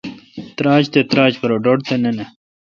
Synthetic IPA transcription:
t̪ɾaːd͡ʑt̪et̪ɾaːd͡ʑpɐɾoɖoʈt̪enene

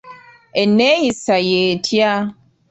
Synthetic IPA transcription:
eneisajetʰja

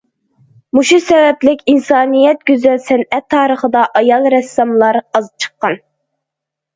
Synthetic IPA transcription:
muʃusɛvɛplɪkʲinsɑːnɨjɛt̪̚ɡʲyzɛlsɛnɛt̪ʰːɑːɾəχəd̪ɑʔɑjɑlˠɾɛsːɑmlˠɑɾɑzp̚t͡ʃʰə̥qːɑn

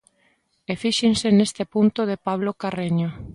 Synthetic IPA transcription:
efiʃensenest̪epunt̪ʊðepaβ̞lokareɲo

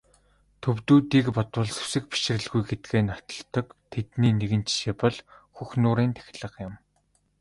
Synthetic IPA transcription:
t̪ʰɵwt̪uːt̪iːkpɔt̪wə̆ɮsɵ̥sɘ̆kpi̥ʃ̆rɘ̆ɮɣujɡet̪̚ɡeːnɔt̪ɞ̆ɬt̪ɞ̆kt̪ʰet̪niːneɣɘ̆nt͡ɕiʃeːpɔɮxuxnʊːɾiːnt̪ʰæ̥xʲɪ̆ɮə̆qjʊ̆m

